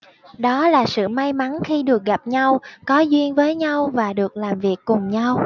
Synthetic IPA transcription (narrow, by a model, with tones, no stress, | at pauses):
ɗɔ˨˦laː˨˩sɨ̰˧˨ma˧jma˨˦nxi˧ɗɨ˨˩ək̚ɣa˨˩p̚ɲa˧wkɔ˨˦zwi˧ənvəː˨˦jɲa˧wvaː˨˩ɗɨ˨˩ək̚laː˨˩mvi˨˩əkːʊ˨˩ŋ͡mɲa˧w